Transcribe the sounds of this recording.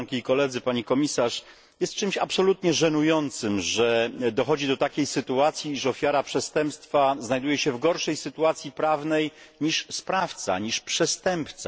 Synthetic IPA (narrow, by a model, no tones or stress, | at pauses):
nkʲiːkɔlɛd̪zɘpaɲikɔmʲisaʂ | jɛst̪̚t͡ʂɘmɕapsɔlut̪ɲɛʐɛnujɔnt̪sɘmʐɛd̪ɔxɔd͡ʑid̪ɔt̪akʲejsɘt̪uat̪sʲjiːʂɔfʲjaɾapʂɛst̪ɛmpst̪faznajd̪ujɛɕɛvɡɔɾʂɛjsɘt̪uat̪sʲjipɾavnɛj | ɲiʂspɾaft̪sa̰ɲiʂpʂɛst̪ɛmpt̪sa